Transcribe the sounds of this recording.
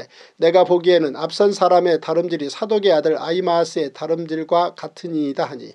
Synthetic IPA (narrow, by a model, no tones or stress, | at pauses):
ne̞ɡapoɡiɦenɯnap̚s͈ʌnsʰaɾame̞taɾɯmdiɾisʰadoɡe̞adɯɾa̰imaːs͈ʰɯe̞taɾɯmdiɭɡwakatʰɯɲiːdaɦaɲḭ